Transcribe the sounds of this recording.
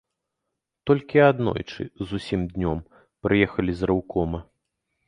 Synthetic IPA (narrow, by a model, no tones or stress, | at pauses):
t̪ɔlʲkʲiad̪nɔ̰jt͡ʂɨ̰zusʲimd̪ʲnʲɔm | pɾɨjɛxɐlʲizɾʔawkɔmɐ